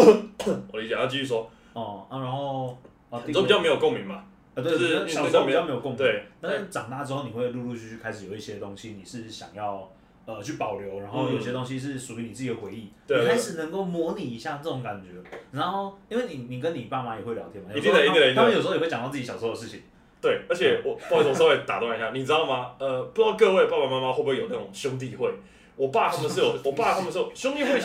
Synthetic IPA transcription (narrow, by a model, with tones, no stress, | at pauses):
wɔ˨˩li˦t͡ɕe˨˥˧t͡ɕi˥˧˩y˥˩ʂwɔ˦ | ə˨˩˧ɻa˧˦nxo˥˧ʊ | ə˧˨˩i˥˧˥jme˧˥jo˨˩ko˥˨˩ŋmi˨˧˦ŋma˨ | ə˨˩t̪we˥˧˩m˧˥t͡ɕme˧˥jo˨˩ko˥˩ŋmi˧e˥˩na˥ə˥˩ʈ͡ʂɑ˨ŋt̪a˥˧ʈ͡ʂɻ̩˥xo˥˩ni˨xwe˥˧˩ɪlu˥˧lu˥˧t͡ɕʰy˥˧t͡ɕʰy˥˩kʰa˥ɪʂɻ̩˨˩jo˨˩ʊi˥ɕjɛ˥ə˩t̪o˦˥ŋɕi˦ni˨˩ʂɻ̩˥˩ɕjɑ̰˨˩ŋjɑ˥˩ʊ | ə˨˩t͡ɕʰy˥˩pɑ˨˩ʊljo˧˦ʊɻa˧˥nxo˥˩ʊjo˨˩˦ɕjɛ˧ə˧t̪o˥ŋɕ̬i˦ʂ̬ɻ̩˥˩ʂu˨y˧˦ni˨˩t͡sɹ̩˥˩t͡ɕi˨˩d̪ə˨xwe˧˥ɪi˥˩ | e˥˧kʰa˥ɪʂɻ̩˨˩nə˧˦ŋko˥˩ʊmwɔ˧˥˦ni˨˩i˧˥ɕja˥˧nə˥˩o˧˦ŋka˨˩nt͡ɕɥɛ˨˦na˧˥nxo˥˩ʊi˥nwe˥˩ɪni˨˩ni˨˩kə˦ni˨˩pa˥˩ma˨jɛ˨˩xwe˥˩ljɑ̰˧˥ʊt̪ʰɛ˧˥nm˨˩i˥a˥˧˩i˥ɡə˨ə˧˦˥ə̃˨jo˨˩ʂ̩˧˥˨wt͡ɕŋt̪ɑ˥˧t͡s̩ː˥˩t͡ɕi˧˩ɕɑ˨˩so˥o˥də˧ʂ̩˥˩t͡ɕʰḭ˨˩ŋ | t̪we˥˩ɪə˞˧˥t͡ɕʰjɛ˨˩wɔ˨˩a˥˩˥o˨ŋswe˥˩t̪a̰˨˩t̪ɑ˥˩˨i˧˦ɕja˥˩ni˨˩t͡sɻ̩˥ɑ˥˩ʊma˨ə˨˧pu˥˩˥t̪ɑ˥˧ʊkɤ˥˧we˥˧ɪpa˥˩pa˨˩ma˥˧ma˦xo˥˩bu˧˥we˥˩jo˨˩na˥˩ʊ˨˩ŋɕjʊ˦ŋt̪̬i˥˧xwe˥˩ɪ | wɔ˨˩pa˥˧t̪ʰa˥mə˨nʂɻ̩˥˩jo˨˩wɔ˨˩pa˥˩t̪ʰa˥mə˧nʂ̩˥˩jo˨˩ɕjʊ˥ŋt̪i˥˧xwe˥˩ɪ